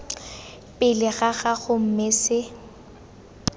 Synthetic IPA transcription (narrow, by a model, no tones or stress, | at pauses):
pʼɪlɪɣaɣaɣʊm̩mɪsɪ